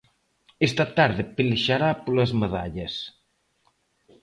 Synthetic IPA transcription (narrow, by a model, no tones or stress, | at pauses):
est̪ɐt̪aɾðɪpeleʃaɾapolɐzmeðaʎɐs